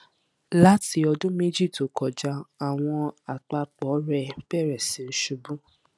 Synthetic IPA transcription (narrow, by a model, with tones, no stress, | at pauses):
la˦ti˧ɔ˧dũ˦me˦d͡ʒi˦˨to˨˦kɔ˨d͡ʒa˧˦a˨w̃ɔ̃˧a˨k͡pa˧k͡pɔ˨˦ɾɛ˧bɛ˦˨ɾɛ˨sĩ˨˦n̩˦ʃu˧bũ˦